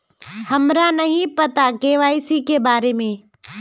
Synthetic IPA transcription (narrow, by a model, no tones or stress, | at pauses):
hɐmɾanɐɦĩpɐt̪akeːʋaːɪsikebaːɾemẽː